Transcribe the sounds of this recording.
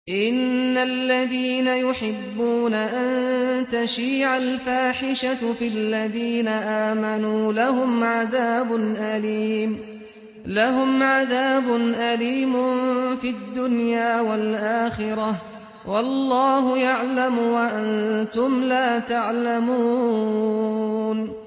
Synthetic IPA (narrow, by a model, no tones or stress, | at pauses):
ʔɪnːalːaðiːnajʊħɪbːuːnaʔant̪aʃiːʕalfaːħɪʃafɪlːaðiːnaʔaːmanuːlahʊmʕaðaːbʊnʔaliːm | laɦʊmʕaðaːbʊnʔaliːmʊfiad̪ːʊnjaːwalʔaːxɪɾɑh | wɑlːɑːɦʊjaʕlamwaʔant̪ʊmlaːt̪aʕlamuː | n